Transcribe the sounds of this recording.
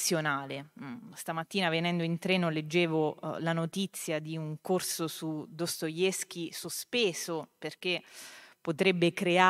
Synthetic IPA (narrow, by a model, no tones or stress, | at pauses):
jonaːlest̪amat̪ːiːnavenɛnd̪oint̪ɾɛːnoled͡ʒːeːvolanot̪it̪sːjad̪iuŋkorsosud̪ost̪ojesk̟isospeːzoperk̟epːot̪ɾɛbːekɾea